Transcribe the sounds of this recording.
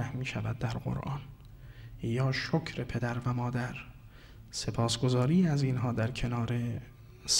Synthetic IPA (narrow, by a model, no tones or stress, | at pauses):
æhmiːʃævæd̪̚d̪æɾɢo̰ɾʔɒːn | jɒːʃocʰɾepʰe̞d̪æɾvæmɒːd̪æɾ | se̞pʰɒːsɡo̞zɒːɾiːæziːnɦɒːd̪æɾkʰe̞nɒːɾe̞ | s